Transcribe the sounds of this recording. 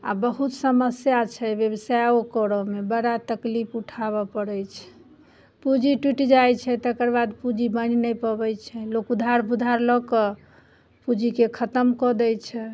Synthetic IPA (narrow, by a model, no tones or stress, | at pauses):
a̰bəɦut̪səməsjat͡ʃʰɛbjəbsajokɔɾɔmebəɽat̪əklipʰuʈʰaβɔpəɽɛjt͡ʃʰɛ̥ | pud͡ʒiʈiʈid͡ʒajt͡ʃʰɛt̪əkəɾbad̪pud͡ʒibəninɛjpəbɛjt͡ʃʰɛlokud̪ʱaɾbud̪ʱaɾlɔkɔ | pud͡ʒikekʰət̪əmkɔd̪ɛjt͡ʃʰɛ